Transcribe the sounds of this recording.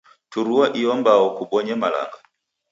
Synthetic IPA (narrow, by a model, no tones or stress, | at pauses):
tuɾuwaʔiɔmbaɔkuɓɔɲɛmala̰ŋɡa